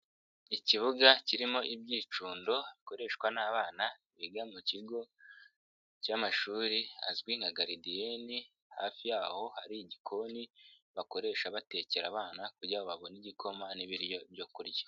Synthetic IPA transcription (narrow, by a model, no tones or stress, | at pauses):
iciβuɡaciɾimo̞ʔibɟiːt͡ʃuːndo̞βiko̞ɾe̞ːʃkwanaːβaːna | βiɡamuciɡo̞ | camaʃuːɾia̰zɡwiŋaɡaɾidieni | haːfijaːho̞haɾiɟikʰo̞niβako̞ɾe̞ːʃaβate̞ceɾa̰βaːnakuɾɟaːβoβaβo̞niɟikʰo̞maniβiɾjo̞bjo̞kuɾjḁ